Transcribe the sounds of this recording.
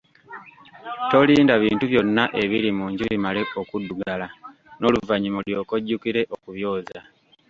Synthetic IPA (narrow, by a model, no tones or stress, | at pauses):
to̞liːndaβiːntuβjo̞nːaʔe̞βiɾimuːɲɟuβimale̞ʔo̞kuduɡala | no̞luvaɲimoljo̞ːko̞ɟːukiɾe̞ʔo̞kuβjo̞ːza